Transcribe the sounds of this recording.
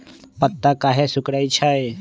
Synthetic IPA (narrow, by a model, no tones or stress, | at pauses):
pət̪ːakaːɦesʊkɽait͡ʃʰae